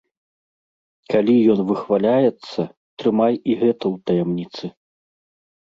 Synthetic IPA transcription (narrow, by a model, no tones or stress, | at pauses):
kalʲijɔnvɨxvalʲajɛt̪sːɐ | t̪ɾɨmajiɣɛt̪ɐwt̪ɐjamnʲit̪sɨ